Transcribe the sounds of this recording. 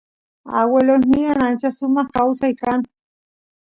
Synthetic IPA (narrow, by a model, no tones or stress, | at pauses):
a̰welolnianant͡ʃasumahkawsaikan